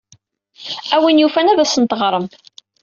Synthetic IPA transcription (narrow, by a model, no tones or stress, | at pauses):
æwinjufænæðæsənt̪əʁɾˤəm